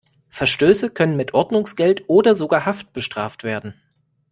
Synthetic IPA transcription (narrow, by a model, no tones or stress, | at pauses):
fɛɐʃtøːsəkʰœnənmɪtʔɔɐdnʊŋsɡ̥ɛltʔoːdɐzoɡaːɐɦaft̚b̥əʃtʁ̥a̰ːftv̥eːɐdn̩